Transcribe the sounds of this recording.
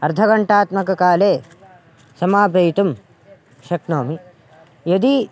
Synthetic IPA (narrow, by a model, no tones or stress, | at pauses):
ɐɾd̪ʱɐɡɐɳʈaːt̪mɐkɐkaːleː | sɐmaːbɐjt̪um | ʃɐknoːmi | jɐd̪i